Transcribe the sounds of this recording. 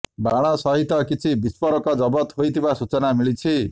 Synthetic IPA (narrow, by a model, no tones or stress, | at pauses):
baɽ̃ɔsɔɦit̪ɔkit͡ʃʰibispɔɾɔkɔd͡ʒɔbɔt̪ɦojt̪ʰibasut͡ʃɔnamiɭit͡ʃʰi